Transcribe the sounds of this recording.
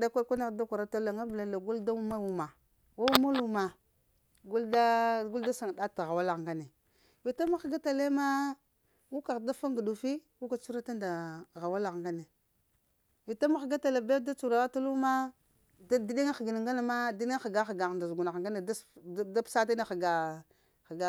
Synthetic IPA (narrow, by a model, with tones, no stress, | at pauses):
da˦kʷa˦kʷa˦na˦˨da˦kʷa˨ɾa˦ta˦la˨ŋa˦bla˨la˨ɡu˦lda˦u˦ma˦wu˨ma˨ | wa˦u˦ma˦lu˦ma˨ | ɡu˦lda˦ɡu˦lda˦sa˨ŋ˨da˦ta˨ɣa˨wa˦la˨ŋɡa˦ne˨ | vi˨ta˦ma˦xɡa˦ta˨le˦ma˦ | wu˦ka˨da˦fa˦ŋɡu˨du˨fi˦wu˦ka˨t͡ʃu˦ɾa˦ta˦nda˨ɣa˨wa˦la˨ɣŋɡa˦ne˨ | wi˨ta˦ma˦xɡa˦ta˨le˨be˦da˦t͡ʃu˨ɾa˨wa˦ta˦lu˦ma˦ | da˦di˦ɗi˦ŋa˦xɡi˨n˨ŋɡa˦ne˨ma˦di˦ni˦xɡa˦xɡa˨ɣnda˨zɡu˨na˨ŋɡa˦ne˨da˦sda˦psa˦t̬a˦ne˦xɡa˨ | xɡa˨˦